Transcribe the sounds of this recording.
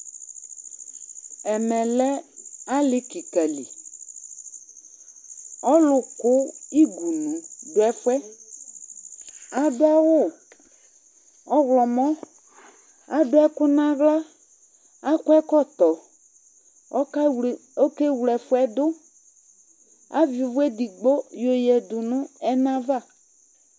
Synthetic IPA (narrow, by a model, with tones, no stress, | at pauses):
ɛ˨mɛ̃˨lɛ˦a˦lɪ˦ki˨ka˨lḭ˨ | ɔ˦lʊ˨kʊ˦i˦ɡu˨nũ˨dʊ˨˦ɛ˦fʊ˦ɛ˦ | a˨dʊ˦a˦wʊ˦˨ | ɔ˦ɣlɔ˨mɔ̃˦ | a˨dʊ˦ɛ˦kʊ˦nã˦ɣla˦ | a˦kʊ˦ɛ˦kɔ˦t̪ɔ˨ | ɔ˦ko˦ke˦wlɛ˨fʊ˦ɛ˦d̪ʊ˦ | a̰˦vi˨vʊ˦e˦di˨ɡ͡bo˦jo˨jɛ˨d̪ʊ˨nʊ̃˦ɛ˦nã˦va˦˨